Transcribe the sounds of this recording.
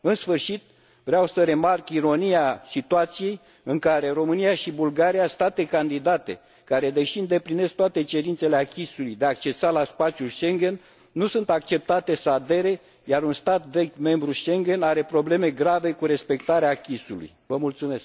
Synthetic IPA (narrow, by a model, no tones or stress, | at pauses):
ɨnsfɨrʃit̪̚ | vɾeawsəɾe̞markiɾo̞niasit̪uat̪sije̞j | ɨŋkaɾe̞ɾo̞mɨnijaʃibulɡaɾijast̪at̪e̞kand̪id̪at̪e̞̰ | kaɾe̞d̪e̞ʃiɨnd̪e̞pline̞skt̪oat̪e̞t͡ʃe̞ɾint̪se̞leakʲisulujd̪eak̚t͡ʃe̞salaspat͡ʃijulʃe̞ŋɡʲe̞nː | usunt̪ak̚t͡ʃe̞p̚t̪at̪e̞səad̪e̞ɾe̞ | jaɾunst̪at̪ve̞ɡʲme̞mbɾuʃe̞ŋɡʲe̞naɾe̞pɾo̞ble̞me̞ɡɾave̞kuɾe̞spe̞k̚t̪aɾeaːkʲisulṵjvəmult̪sume̞sk